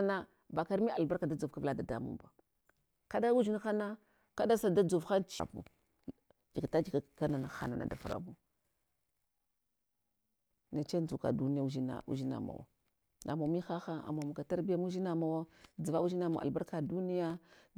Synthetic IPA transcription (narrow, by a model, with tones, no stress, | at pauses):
na˦ | ba˨ka˨ɾmi˦a˨ba˦ɾka˨da˦d͡zu˨fka˦vla˦˨da˨da̰˦mṵ˦ba˨ | ka˦da˦u˦d͡ʒi˦n˦xa˦na˦ | ka˦da˦sa˨da˦d͡zu˨vxa˦nt͡ʃa̰˨bṵ˦ | d͡ʒi˨ka˨ta˦d͡ʒi˨ka˨ka˦na˨na˨xa̰˨na̰˨na̰˨da˨fa̰˨ɾa̰˨bu˦ | na˨t͡ʃe˦n˦d͡zu˨ka̰˨du˦ni˦ja˦u˦ʒi˦na̰˨ṵ˦ʒi˦na̰˨ma̰˨wa̰˨ | na̰˨ma˨mi˦xa˦xa˦a̰˨mo˨mu˨ka˨ta˦ɾbi˦ja˦mu˦ʒi˦na˨ma˨wa˦d͡zi˨va˦u˦ʒi˦na˨ma̰˨a̰˨lba˦ɾka˨du˦ni˦ja˦